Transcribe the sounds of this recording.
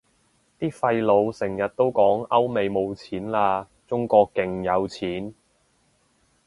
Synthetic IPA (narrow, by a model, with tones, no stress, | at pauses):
t̪iː˥fɐ˧jlo˨˧wsɪ˨˩ŋjɐ˨t̚t̪o˥wkɔː˨˥ŋɐ˥wme˨˧jmo˨˧wt͡sʰiː˨˥nlaː˧ | t͡sʊ˥ŋkɔː˧kːɪ˨ŋjɐ˨˧wt͡sʰiː˨˥n